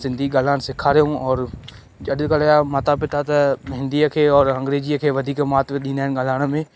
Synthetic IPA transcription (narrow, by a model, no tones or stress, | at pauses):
sɪ̃nd̪ʱiɠaːl̤aːɽ̃sɪkʰaːɾijũɔːɾ | ɐɗkɐljamaːt̪apɪt̪ʰat̪ɐɦɪ̃nd̪iəkʰeːɔːɾɐ̃ŋɡɾeːd͡ʑiəkʰeːʋɐd̪ʱiːkmaːt̪ʋɗĩːnd̪aːɪnɠaːl̤aːɪɽ̃əmẽ